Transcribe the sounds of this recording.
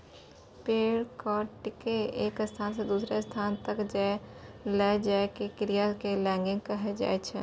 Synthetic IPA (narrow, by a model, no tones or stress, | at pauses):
peːɽkɔːʈɪkeeːkəst̪ʰaːnsed̪uːsɾest̪ʰaːnt̪əkd͡ʒɛlɛd͡ʒaːekekɾijakelɛ̃ːŋɡɪ̃ŋɡkəɦed͡ʒa̰ːet͡ʃʰɛ